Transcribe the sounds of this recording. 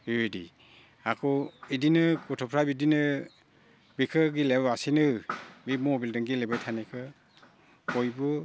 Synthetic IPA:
edḭ | akʰɔidinɯkɔtʰɔpʰɾabidinɯ | bikʰɯɡilebasinɯbimɔbildɯŋɡilebɯjtʰanekʰɯ | kɔjbɯ

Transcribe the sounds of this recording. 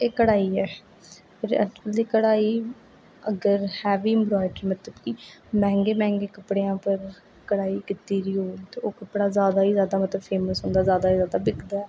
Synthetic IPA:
eːkəɽaːiːɛː | pʰɪɾɛ̰ːt͡ʃəld̪iːkəɽaːiː | əɡəɾhɛːʋiːɪmbɾɔːɪɖəɾmət̪ləbkimɛ̃ːŋɡeːmɛ̃ːŋɡeːkəpːɽeãːpəɾ | kəɽaːiːkɪt̪iːɾiːoːt̪eːoːkəpːɽaːzjaːd̪aːiːzjaːd̪aːmət̪ləbpʰeːməsɦõːnd̪aːzjaːd̪aːiːzjaːd̪aːbɪkd̪aːɛː

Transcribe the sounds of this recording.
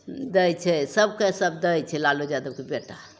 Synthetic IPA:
d̪əjt͡ʃʰɛsəb̚kesəb̚d̪əjt͡ʃʰɛlalod͡ʒad̪əb̚kebeʈa

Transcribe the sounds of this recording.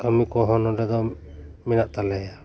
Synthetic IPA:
kamikɔɦɔnɔɾɛd̪ɔmɛnaʔt̪alɛja

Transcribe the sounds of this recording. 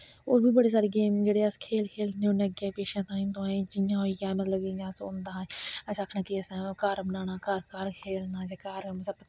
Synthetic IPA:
oːɾbiːbəɽeːs̬aːɾeːɡeːmd͡ʒeːɽeːəskʰeːlkʰeːlnẽːoːneəɡẽːpeːʃãːt̪ãːĩːnt̪õẽːd͡ʒɪjãːɦoːijaːmət̪ləbɪjãːso̰ːnd̪aːɛːəsaːkʰnãːkiəskəɾbənaːnaːkəɾkəɾkʰeːlnaːd͡ʒaːkaːɾməsəbt̪ː

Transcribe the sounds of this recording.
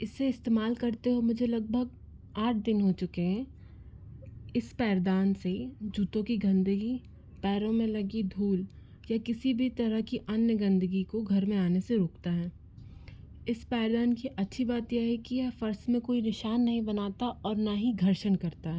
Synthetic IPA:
ɪsːeɪst̪eːmaːlkɐɾt̪eɦomʊd͡ʒʱelɐɡ̚bʱəɡ | aːʈ̚ʰd̪ɪnɦot͡ʃʊkeɦɛ̃ | ɪspɛːɾd̪aːnsed͡ʒuːt̪õkiɡɐ̃nd̪əɡi | pɛːɾõmẽlɐɡid̪ʱuːl | jakɪsibʱit̪ɐɾəɦkiʔɐnjəɡɐ̃nd̪əɡikoɡʱɐɾmẽaːneseɾoːkt̪aɦɛː | ɪspɛːɾd̪aːnkiʔɐtːʃʰibaːt̪jeɦɛkijɛːfɐɾsmẽkoːinɪʃaːnːɐɦĩbɐnaːt̪aʔɔːɾnaɦiɡʱɐɾʃənkɐɾt̪aɦɛː

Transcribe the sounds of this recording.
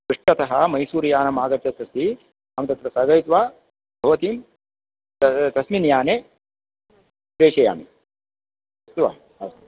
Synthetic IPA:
ɾiʂʈɐt̪ɐɦɐmɐjsuːɾjaːnɐmaːɡɐt̪ːɐt̪ɾɐst̪i | aːmɐt̪ɐt̪ɾɐsɐɡɐjt̪ʋaː | bʱɐʋɐt̪iːm | t̪ɐsminjaːne | pɾeːʃɐja̰ːmi | ɐt̪ʋa̰ː | ɐst̪

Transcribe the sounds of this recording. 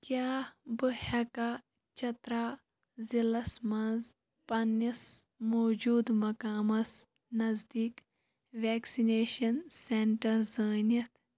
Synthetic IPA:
kjaːbɨhɐka | t͡ʃɐt̪ɾaː | zilɐsmɐnz | pɐnɐs | moːd͡ʒuːd̪mɐkaːmɐs | nɐzd̪iːk | ʋeːksineːʃɐnseɳʈɐɾzəːnɐt̪ʰ

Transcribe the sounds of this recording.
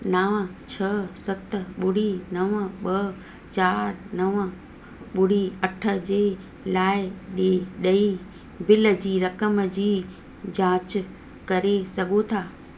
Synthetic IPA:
nɐʋət͡ɕʰɐsɐt̪̆ɓʊɽ̤inɐʋɓɐ | t͡ɕaːɾnɐʋə̆ | ɓʊɽ̤iɐʈʰə̆d͡ʑeː | laːɪɗeɗɐi | bɪlə̆d͡ʑiːɾɐkəmd͡ʑiː | d͡ʑaːt͡ɕ | kɐɾesɐɡʱot̪ʰaː

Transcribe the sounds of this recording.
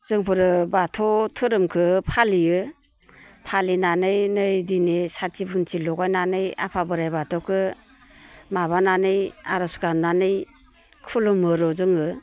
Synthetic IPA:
z̥ɯŋpʰɯɾɯbatʰɔtʰɯɾɯmkʰɯpʰalijɯ | pʰalinanɯjnɯjdinesat͡ʃibunt͡ʃʰilɔɡajnanɯja̰pʰabɯɾajbatʰɔkʰɯ | maβananɯjaɾɔsɡamnanɯj | kʰulumɯɾɔzɯŋɯ

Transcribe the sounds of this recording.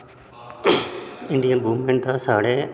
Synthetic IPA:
ɪ̃ɳɖijənbuːʋmẽɳʈ̚d̪aːsaːɽeː

